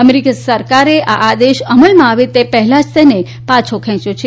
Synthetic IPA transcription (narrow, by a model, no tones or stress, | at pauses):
əmeɾikasəɾkaɾeʔaʔad̪eʃəməlmãaʋet̪epɛɦlad͡ʒt̪ene | pat͡ʃʰokʰɛ̃t͡ʃjot͡ʃʰe